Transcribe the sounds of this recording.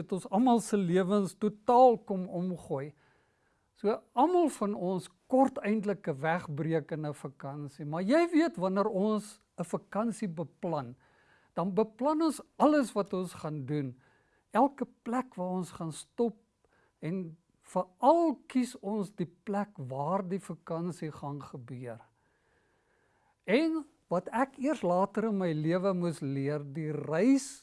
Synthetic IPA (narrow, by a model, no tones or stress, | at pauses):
ətɔnsɐmɐlˠsəliəvənstutɑːlˠkɔmɔmχuəj | suəɐmɐlˠfɐnɔnskɔrtɛjndləkəvæχbriəkənəfɐkɐnsimɐrjɛjviətvɐnəɾɔns | əfɐkɐnsibəplɐn | d̥ɐnbəplɐnɔnsɐləsvɐtɔnsχɑːndun | ælˠkəplækvɑːɾɔnsχɑnstɔp̚ | ɛn | fəɐlˠkisɔnsdiplækvɑːrdifəkɐnsiχɐnχəbyər | ɛn | vɐtækiərslɑːtəɾənməjliəvəmusliərdirɛjs